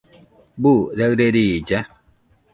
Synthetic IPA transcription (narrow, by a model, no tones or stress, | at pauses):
buɾɛɾeɾijid͡ʒɛ